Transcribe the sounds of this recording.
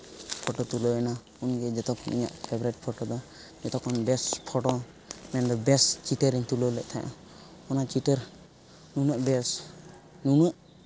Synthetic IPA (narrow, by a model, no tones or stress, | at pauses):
pʰɔʈɔt̪ulɔɛna | unɡɛd͡ʒɛt̪ɔkʰɔnḭɲa̰ʔpʰɛbɾɛʈ̚pʰɔʈɔd̪ɔ | d͡ʒɛt̪ɔkʰɔnbɛspʰɔʈɔ | mɛnd̪ɔbɛst͡ʃiʈəɾiɲt̪ulɔlɛʔt̪ʰaʔã̰ | ɔnaʔt͡ʃiʈəɾ | nunaʔbɛs | nunɔʔ